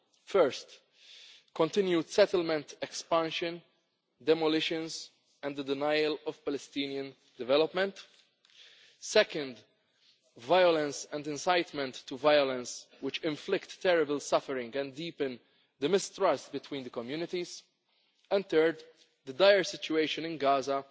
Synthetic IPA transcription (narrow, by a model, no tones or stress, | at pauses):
fɛɹst̪ | kɔ̃nt̪ɪ̃njud̪sɛt̪əlmɛ̃nt̪ɛkspæ̃nʃɨ̃n | d̪ɛmɔlɪʃɨ̃nz | ɛ̃nd̪əd̪ɪnajlɔv̥pɛlɛst̪iːnjə̃n | d̪ɪvɛlɔpmɛ̃nt̪ | sɛkə̃nd̪ | vajɔlɛ̃nsɛ̃nd̪ɪ̃nsajt̪mɛ̃nt̪ːuvajɔlɛ̃ns | wɪt͡ʃɪ̃ɱflɪkt̪ːɛɾɪbəlsɐfəɾɪ̃ŋɡɛ̃ndiːpɨ̃n | d̪əmɪst̪ɾɐst̪bɪt̪wĩːnd̪əkɔmjuːnɪt̪iz̥ | ɛ̃nd̪t̪əːɾd̪ | d̪əd̪ajəɹsɪt͡ʃueɪʃɨ̃nɪ̃nɡaːzɐ